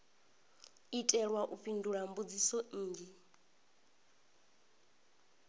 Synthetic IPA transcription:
itʼɛɺwaʔuɸinduɺambud͡zisɔn̩ːd͡ʒi

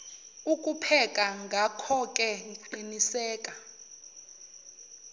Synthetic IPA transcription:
ukʼupʰɛkʼaŋɡʱakʰɔkʼɛǃinisɛːkʼa

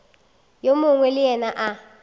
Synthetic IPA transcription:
jomuŋwɛlɪɛnaʔa

